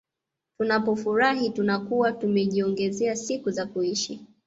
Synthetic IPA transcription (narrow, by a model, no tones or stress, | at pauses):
tunapɔfuɾaɦitunakuwatumɛʄiɔŋɡɛzɛasikuzakuiʃi